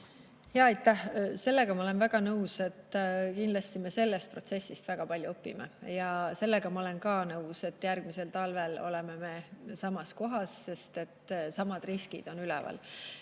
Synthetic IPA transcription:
hjɑɑjt̪ːˑæhse̞lːe̞ɡ̥ɑmɑole̞nvæɡ̥ɑnɤwse̞t̪ːˑkind̪lɑst̪ime̞se̞lːe̞st̪̚pro̞t̪se̞sːist̪væɡ̥ɑpɑlʲjuopːimḛjɑse̞lːe̞ɡ̥ɑmɑole̞nkɑːnɤuse̞t̪ːjærɡ̥mise̞lt̪ɑlve̞lo̞̰le̞meme̞sɑmɑsko̞ɦɑsːe̞st̪e̞t̪ːsɑmɑd̪̥riskḭd̪̥o̞nylɛ̰vɑ̰l

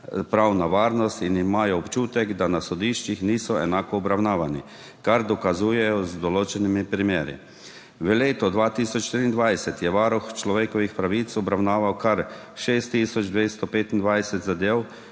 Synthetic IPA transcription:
pɾawnaʋaːɾnɔst̪inimaːjɔːpt͡ʃuːt̪ɛɡd̪anasɔd̪iːʃt͡ʃixniːsɔɛnaːkɔːbɾawnaːʋani | kaɾd̪ɔkazuːjɛjɔzd̪ɔloːt͡ʃɛnimipɾimeːɾḭ | ʋəleːt̪ɔd̪ʋaːt̪iːsɔt͡ʃʃt̪ɾiːnd̪ʋajsɛt̪jɛʋaːɾɔxt͡ʃlɔʋeːkɔʋixpɾaʋiːt̪sɔbɾawnaːʋawkaɾ | ʃeːst̪ːiːsɔd͡ʒd̪ʋeːst̪ɔpeːt̪ind̪ʋajsɛt̪zad̪eːw

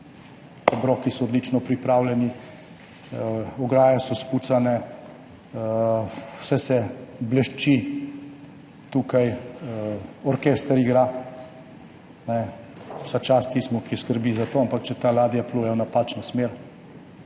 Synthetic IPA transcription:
abɾɔːkisɔːd̪lit͡ʃnɔpɾipɾaːwlɛni | ɔɡɾaːjasɔskut̪sanɛ | wsɛsɛblɛʃt͡ʃi | t̪uːkaj | ɔɾkɛst̪əɾiɡɾa | nɛ | wsat͡ʃaːst̪ismɔkiskəɾbizat̪oːampakt͡ʃɛt̪alaːd̪ijapluːjɛjɔnapaːt͡ʃnɔsmeɾ

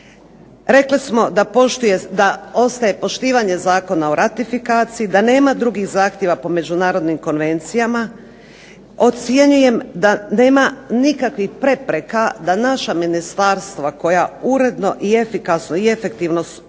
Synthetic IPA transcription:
ɾe̞klismo̞d̪apoʃt̪ujed̪ao̞st̪aje̞po̞ʃt̪iːʋaɲe̞zaːko̞naoɾʔat̪ifikaːt̪sijid̪ane̞ːmad̪ɾuɡiɣzaːxt̪ʲjeʋapo̞me̞d͡ʒunaːɾo̞d̪nimko̞nʋe̞nt̪sijama | o̞t̪sje̞ɲuje̞md̪ane̞ːmanikakʋixpɾe̞pɾe̞kad̪anaʃaminist̪aɾst̪ʋako̞jauɾe̞d̪no̞ʔie̞fikasno̞ie̞fe̞kt̪iːʋno̞s

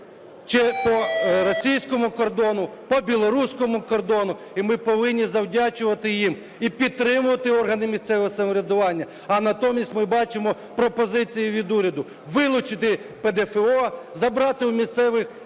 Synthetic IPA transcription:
t͡ʃɛpɔɾɔsʲijsʲkɔmʊkɔrd̪ɔnʊpɔbʲilˠɔɾusʲkɔmʊkɔrd̪ɔnʊ | imɪpɔʋɪnʲːizɐwdʲat͡ʃʊʋɐt̪ɪjim | ipʲid̪̚t̪ɾɪmʊʋɐt̪ɪɔrɦɐnɪmʲist̪sɛʋɔɦɔsɐmɔɾʲɐd̪ʊʋɑnʲːɐ | ɐnɐt̪ɔmʲisʲtʲmɪbɑt͡ʃɪmɔ | pɾɔpɔzɪt͡sʲijiʋʲid̪uɾʲɐd̪ʊ | ʋɪlˠʊt͡ʃɪt̪ɪped̪ɛfeɔzɐbɾɑt̪ɪwmʲist̪sɛʋɪx

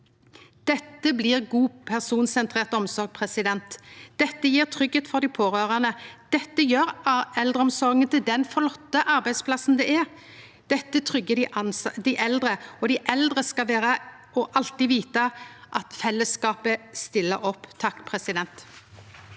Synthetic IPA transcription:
d̪̥ɛt̪ːəblɪːʁɡuːpʰæʁsuːnsɛnt̪ʰɾeːʁt̪ɔmsɔɾɡ̚pʰʁɛsɪd̪ɛnt̪d̪ɛt̪ːəjiːʁt̪ʰʁʏɡheːt̪fɔʁd̪ɪpʰoːʁøːʁæʁnəd̪̥ɛt̪ːəjøːʁɛld̪ʁəɔmsɔɾɡənt̪ɪld̪ɛnfɔʁlɔt̪ːəʔɑɾbæɪspʰlɑsn̩d̪ɛʔɛʁ | d̪̥ɛt̪ːət̪ʰʁʏɡəd̪ɪd̪ɪʔɛld̪ʁəɔd̪ɪʔɛld̪ʁəskɑʋeːʁə | ɔʔɑlt̪ɪʋiːt̪ɑʔɑt̪fɛlːəskɑːpəst̪ɪlːəɾɔpːt̪ʰɑkːpʰʁɛsɪd̪ɛnt̪

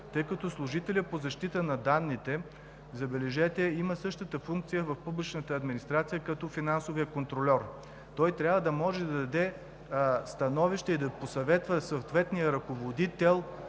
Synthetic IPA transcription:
t̪ɤjkɐt̪ɔslˠuʒit̪ɛlʲəpozɐʃt̪it̪ənɐd̪anːit̪ɛ | zɐbɛlɛʒɛt̪ɛiməsɤʃt̪ət̪əfuŋk̚t̪sijəvɐfpublʲit͡ʃnət̪əːd̪minist̪ɾat̪sijəkɐt̪ɔfinansovijəkont̪ɾolʲɔɾ | t̪ɔjt̪ɾʲabvəd̪ɐmɔʒɛd̪ɐd̪ɐd̪ɛ | st̪ɐnɔviʃt̪ɛid̪ɐposɐvɛt̪vəsot̪vɛt̪nijəɾɐkovod̪it̪ɛlˠ

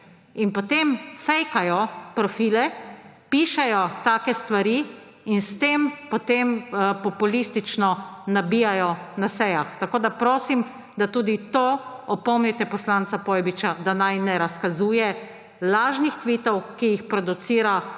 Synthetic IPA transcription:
inpɔt̪emfɛjkajɔpɾɔfiːlɛpiːʃɛjɔt̪aːkɛst̪ʋaɾiː | nst̪empɔt̪empɔpulist̪it͡ʃnɔnabiːjajɔnasɛjaxt̪akoːd̪apɾoːsim | d̪at̪uːd̪it̪oːɔpɔmnit̪ɛpɔslant̪sapɔjbit͡ʃad̪anajnɛɾaskazuːjɛ | laːʒnixt̪ʋiːt̪ɔwkijixpɾɔd̪ut̪siːɾa

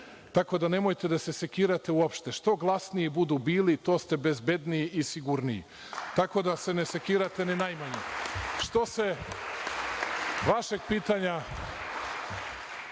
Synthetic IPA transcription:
t̪ako̞d̪ane̞mo̞jt̪e̞d̪ase̞se̞kiːɾat̪e̞uopʃt̪e̞ʃt̪o̞ɡlˠasnijibud̪ubiːlit̪o̞ːst̪e̞be̞zbe̞d̪niʔisiɡuɾniḭ | t̪ako̞d̪ase̞nese̞kiːɾat̪e̞ninajmaɲeʃt̪o̞se̞ | ʋaʃe̞ɡ̚piːt̪aɲa

